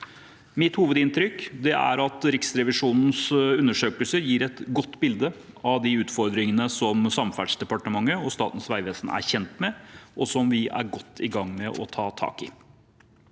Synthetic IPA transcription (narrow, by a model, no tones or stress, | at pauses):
mɪt̪huːʋəd̪ɪnt̪ɾʏkd̪ɛæ̰ɾɑt̪ɾɪksɾɛʋɪʂuːnn̩sʉnːəʂøːkəlsəɾjiːɾɛt̪ɡɔt̪ːbɪld̪ə | ɑʋd̪ɪʉːt̪fɔɾd̪ɾɪŋənəsɔmsɑmfæɖʂd̪ɛpɑʈəmɑŋːəɔst̪ɑ̰ːt̪n̩sʋæɪʋeːsn̩æ̰ɾçɛnt̪mɛʔɔsɔmʋɪæ̰ɾɡɔt̪ʰːɪɡɑŋːmɛʔɔ̰t̪ʰɑːt̪ʰɑ̰ːkɪ̰